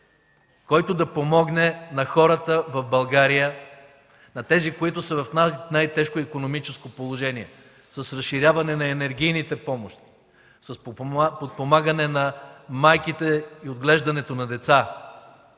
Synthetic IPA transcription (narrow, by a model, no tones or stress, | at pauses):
kɔjt̪od̪ɐpomɔɡnɛnɐxɔɾət̪əvɐvbɐlˠɡaɾijə | nɐt̪ɛzikoit̪ʊsɐvɐfnanajt̪ɛʃkoikonomit͡ʃɛskopolˠoʒɛniɛ | sɐsɾɐsʃiɾʲjavɐnɛnɐɛnɛɾɡ̟ʲijnit̪ɛpɔmoʃt̪i̥ | sɐspot̪̚pomaɡənɛnɐmajkit̪ɛiod̪ɡlɛʒd̪ɐnɛt̪onɐd̪ɛt̪sa